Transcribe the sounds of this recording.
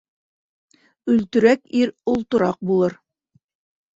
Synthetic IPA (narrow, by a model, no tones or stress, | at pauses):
ɵ̆lt̪ɵ̆ɾækiɾolˠt̪ŏɾɑq̚bulˠɤɾ